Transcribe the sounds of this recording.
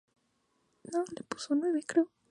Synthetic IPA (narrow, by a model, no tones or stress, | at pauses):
nolepusonweβekɾeo